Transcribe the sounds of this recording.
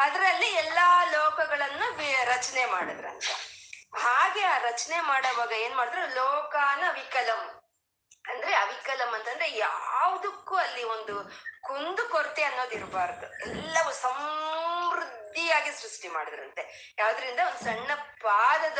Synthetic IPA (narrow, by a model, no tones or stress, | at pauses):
ɐd̪ɐɾɐlːiɛlːɐlɔːkɐɡɐɭɐnːuɾɐt͡ʃɐnemaːɽid̪ɾɐnt̪ɐɦaːɡe̞aːɾɐt͡ʃɐnemaːɽɐʋaːɡɐe̞ːnumaːɽid̪ɾelɔːkaːnɐɐʋikɐlɐm | ɐnd̪ɐɾeɐʋikɐlɐmɐnt̪ɐnd̪ɾejaːʋɐd̪ukːuːɐlːiond̪ukond̪ukoɾt̪eɐnːo̞ːd̪iɾbaːɾd̪uɛlːɐʋusɐm | ɾud̪ʱːijaːɡisɾuʂʈima̰ːɽid̪ɾɐnt̪e | jaːʋd̪ɐɾind̪ɐond̪usɐɳːɐpaːd̪ɐd̪